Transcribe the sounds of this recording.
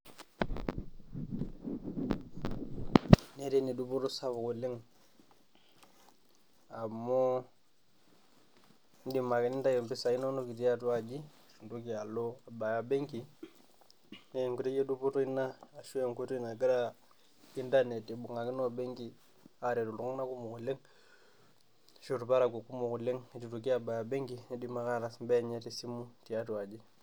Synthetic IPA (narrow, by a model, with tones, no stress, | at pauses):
ne˦ɾe˦ni˨du˦bo˦to˦sa˦βu˨ko˨li˦ŋ | a˨mo˦ | n˦di˨ma˨kɛ˨˦ni˦nta˦je˨mpi˦sa˨i˦no˦no˦ki˨ti˦a˦tu˦a˨d͡ʒi˦˨ʃu˨ndu˦ki˨a˨lo˦a˨ba˨ja˨be˦ŋki˨ | ne˦˨ŋku˨te˦je˦du˦po˦to˦i˦naː˦˨ʃu˦e˦˨ŋku˦tu˦˨na˨ɡi˦ɾa˦ | i˦nta˦ne˨ti˨bu˨ŋa˨ki˦no˦˨be˦ŋki˦ | a˨ɾe˨tu˨lu˦ŋ˦na˦ku˦mu˨ku˨le˦ŋ˦ | ʃo˦˨tu˨pa˦ɾa˨ɡo˨ku˦mu˨ku˨le˦ŋ˨tu˨tu˨ki˦a˨ba˨ja˨be˦ŋki˨n˦di˨ma˦ka˦ɾa˨smbe˦˨ɲe˦ti˨si˦mu˦ti˨ja˦tu˨a˨d͡ʒi˦